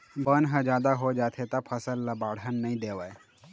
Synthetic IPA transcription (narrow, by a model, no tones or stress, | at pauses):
bənɦə̃d͡ʒjaːd̪aɦod͡ʒaːt̪ʰet̪apʰəsəlːɐbaːɽ̤ənːəĩd̪eːʋae